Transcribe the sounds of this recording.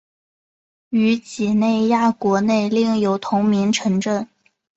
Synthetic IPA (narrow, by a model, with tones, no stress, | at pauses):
y˧˥t͡ɕi˨˩ne˥˧ɪja˥˩kwɔ˧˥ne˥˧ɪli˥˩ŋjo˨˩ʊt̪ʰʊ˧˥ŋmi˧˥ŋʈ͡ʂʰɤ˧˥ŋʈ͡ʂɤ˥˩ŋ